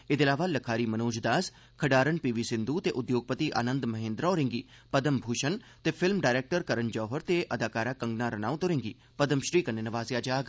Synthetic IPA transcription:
ed̪eɪlaːʋaːləkʰaːɾiːmənoːd͡ʒd̪aːs | kʰəɖaːɾənpiːʋiːsɪ̃nd̪uːt̪eːʔʊd̪joːɡ̚pət̪iːʔa̰ːnə̃nd̪mɐɦẽːnd̪ɾaːɾɪ̃ŋɡiː | pəd̪əmbʱuːʃənt̪eːpʰɪlmɖaːɪɾeːk̚ʈəɾkəɾənd͡ʒɔːɦəɾt̪eːʔəd̪aːkaːɾaːkə̃ŋɡnaːɾənaːũt̪oɾɪ̃ŋɡiː | pəd̪əmʃɾiːkənːenəʋaːzjaːd͡ʒaːɡ

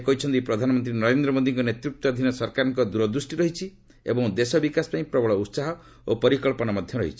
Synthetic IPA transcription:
kɔɦit͡ʃʰɔnt̪ipɾɔd̪ʱanɔmɔnt̪ɾinɔɾend̪ɾɔmod̪iŋkɔnet̪ɾuk̚t̪ɔd̪ʱinɔsɔɾkaɾɔŋkɔd̪uɾɔd̪ɾusʈiɾɔɦit͡ʃʰi | ḛbɔŋd̪esɔbikaspaĩpɾɔbɔɭɔut̪saɦɔ | opɔɾikɔɭpɔnamɔd̪ʱjɔɾɔɦḭt͡ʃʰi̥

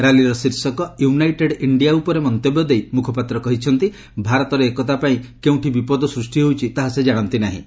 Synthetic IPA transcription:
ɾaliɾɔsiɾsɔkɔjuunajʈeɖiɳɖijaupɔɾemɔnt̪ebɔd̪ejmukʰɔpat̪ɾɔkɔɦit͡ʃʰɔnt̪i | bʱaɾɔt̪ɔɾeekɔt̪apaĩkeũʈʰibipɔd̪ɔsɾusʈiɦowt͡ʃʰit̪aɦased͡ʒaɽ̃ɔnt̪inaɦḭ̃

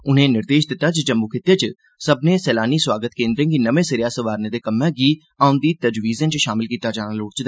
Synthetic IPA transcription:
ʊn̤ẽːnɪɾd̪eːʃd̪ɪt̪ːaːd͡ʒt͡ʃəmbukʰɪt̪eːt͡ʃ | səbnẽːsɛːlaːniːswaːɡət̪kẽːnd̪ɾẽːɡiːnəʋẽːsɪɾjaːsəʋaːɾneːd̪eːkəmːɛ̃ːɡiː | aːʊ̃nd̪iːt̪əd͡ʒʋiːzə̃nt͡ʃʃaːmɪlkiːt̪aːd͡ʒaːnaloːɽt͡ʃd̪

